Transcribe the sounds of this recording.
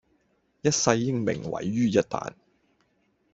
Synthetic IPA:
jɐ˥t̚sɐ˧jːɪ˥ŋmɪ̰˨˩ŋwɐ̰˨˩jːyː˥jɐ˥t̚t̪a̰ː˨n

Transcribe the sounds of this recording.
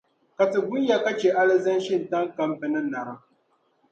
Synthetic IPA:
ka˨tɨ˨ɡʊ˦n˦ja˦ka˦t͡ʃɛ˨ʔa˦lɨ˦zɨ˦n˦ʃɪ˦˨n̩˨ta˦ŋ˦ka˦m˦bɨ˨nɨ˦na˨ɾɨ˦

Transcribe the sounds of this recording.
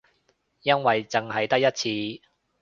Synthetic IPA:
jɐ˥nwɐ˨jt͡sɪ˨ŋɦɐ˨jt̪ɐ˥k̚jɐ˥t̚t͡sʰiː˧

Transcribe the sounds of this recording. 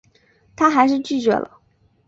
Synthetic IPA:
t̪ʰa˥xa˧˥ɪʂ̬ɻ̩˥˧t͡ɕy˥˩t͡ɕɥɛ̰˧˥lə̰˧

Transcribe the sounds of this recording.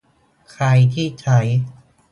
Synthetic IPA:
kʰɾa˧jt̪ʰiː˥˩t͡ɕʰa˦˥j

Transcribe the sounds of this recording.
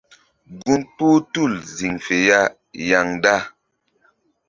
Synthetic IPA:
ɡu˦npu˦tu˦˨lzi˨ŋfe˨ja˦˨ | ja˨ŋda˦˨

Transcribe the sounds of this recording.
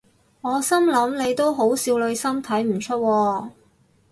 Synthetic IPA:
ŋɔː˨˧sɐ˥mlɐ˨˥mne˨˧jt̪o˥wɦo˨˥wsiː˧wlɵ˧ɥsɐ˥mt̪ʰɐ˨˥jm̩˨˩t͡ʃʰɵ˥t̚wɔː˧

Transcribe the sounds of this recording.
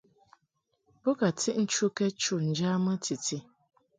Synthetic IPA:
bo˦ka˨tʰi˦ʔn̩˦t͡ʃu˦ke˦t͡ʃu˦n̩˨d͡ʒa˦mə˦tʰi˨ti˦

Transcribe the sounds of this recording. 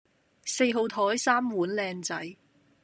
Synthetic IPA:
se˧jɦo˨˧wt̪ʰɔː˨˥jsaː˥mwuː˨˥nlɛː˧ŋt͡sɐ˨˥j

